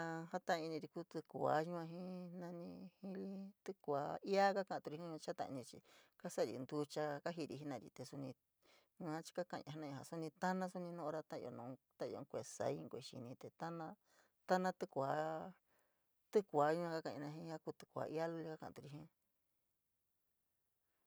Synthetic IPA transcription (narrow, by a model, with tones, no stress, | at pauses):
ã˧ha˦t̪ã˦˧ĩ˧nĩ˧ɾi˧ku˦t̪ɨ˧kʷa˧˦ɲũ˦ã˧ɦĩ˦nã˧nĩ˧hĩ˦li˦t̪ɨ˦kʷa˨˧˦i˦a˦ka˦kã˧˨ã˧t̪u˧ɾi˧ĩ˦ũ˧ã˧t͡ʃa˦t̪ã̰˧ʔnĩ˧t͡ʃḭ˧ka˦sa˦˨ɾḭ˧nd̪u˧t͡ʃa˧ka˦ɦi˧ɾi˧ɦi˦nã˧˨ɾḭ˧t̪e˧su˧nĩ˧ | ɲũ˧ã˦t͡ʃi̥˧ka˦kã˧˨˧ã˧a˦nã˧˨a̰˨su˦nĩ˧t̪a˦nã˦su˦nĩ˧nõ˦ʔɾa˦˧t̪ã˦ḭ˧o̰˧nõ˨˧t̪ã˦˧o̰˧kʷe˧˨sa̰˧˦i˦˧ŋkʷe˧ʃḭ˧nĩ˧t̪e˨t̪a˦nã˧ | t̪a˦nã˦t̪ɨ˦kʷa˧˦ | t̪ɨ˦kʷa˨˦ɲũ˦ã˧ka˦kã̰˧˨˧nã˧ɦĩ˧˦a˦ku˧t̪ɨ̥˧kʷa̰˧ʔi˦a˦lu˦li˦ka˦kã̰˧˨˧t̪u˧ɾi˧ɦĩ˦